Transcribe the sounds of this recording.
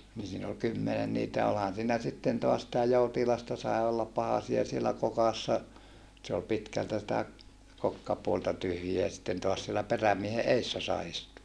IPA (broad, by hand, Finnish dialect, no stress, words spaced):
ni siːn ol kymːenen niːtæ olhɑn siːnæ sitːen toɑs sitæ joutilɑstɑ sɑe olːɑp pɑhɑsiɑ sielːæ kokɑsːɑ se ol pitkæltæ sĭtæ kokːɑpuoltɑ tyhjiæ sitːen toɑs sielːæ peræmiehe eːsːæ sɑi istuɑ